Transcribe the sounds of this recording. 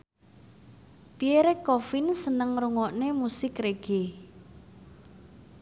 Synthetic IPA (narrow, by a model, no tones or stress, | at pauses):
pieɾɛkːɔfɪnsənəŋruŋɔʔnemusɪkreɡ̥e